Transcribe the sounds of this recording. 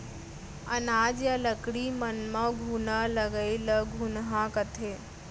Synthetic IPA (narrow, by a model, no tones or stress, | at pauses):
ənaːd͡ʒjaləkɽimənmə̃ɡʱunələɡəiləɡʱunɦãkət̪ʰeː